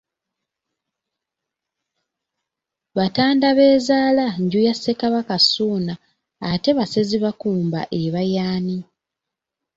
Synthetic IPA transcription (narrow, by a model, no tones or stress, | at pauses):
βataːndaβe̞ːzaːlaɲɟujasːe̞kaβakasuːnaː | te̞βaseziβakuːmba̰ʔe̞βajaːni